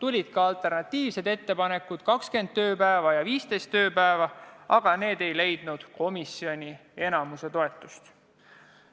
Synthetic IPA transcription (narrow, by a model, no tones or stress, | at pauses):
t̪ulʲid̪̥̚kɑɑlt̪ˑe̞rnɑt̪ˑːiːvse̞d̪e̞t̪ːe̞pɑne̞kːˑud̪̥kɑkske̞nd̪̥̚t̪ø̞ːpæevɑjɑviːst̪e̞jst̪ːøːpæevɑɑɡ̥ɑne̞ːd̪e̞jle̞jd̪̥nud̪̥ko̞misio̞nʲie̞nɑmuse̞t̪o̞e̞t̪ːˑust̪